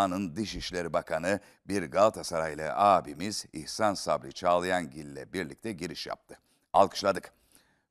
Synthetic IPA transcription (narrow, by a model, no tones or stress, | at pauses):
anɯnd̪iʃiʃlʲeɾibakʰanɯ | biɾɡalˠt̪ʰasaɾajlˠa̰ʔaːbimizḭhsansablʲit͡ʃʰaːlˠɯjanɟilʲːɛ̰biɾlʲic̚t̪ʰɛɟiɾiʃja̰p̚t̪ʰɯ | a̰lˠkʰɯ̥ʃlˠad̪ɯk